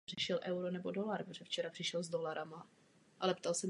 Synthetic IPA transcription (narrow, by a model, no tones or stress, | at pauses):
r̥ɪʃɛlʔɛwɾonɛbo̞do̞laɾpɾoʒɛft͡ʃɛɾapr̥ɪʃɛlzdo̞laɾʔama | ʔalɛpt̪alsɛm